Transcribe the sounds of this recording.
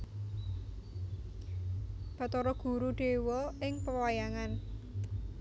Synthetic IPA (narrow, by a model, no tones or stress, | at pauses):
b̥a̤t̪ɔɾɔɡ̥ṳɾuɖ̥e̤wɔɪŋpəwajaŋan